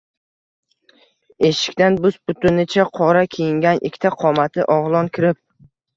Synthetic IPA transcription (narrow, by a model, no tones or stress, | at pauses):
e̞ʃɪ̥kʲt̪anbʊspʊt̪ʊnɪt͡ʃʰaqʰɒɾakʲʰejɪŋɡʲanʔɪ̰kʲʰːt̪ʰaqʰɒmat̪ʰɪʔɒʁlˠɒnkʲʰɪɾɪp̚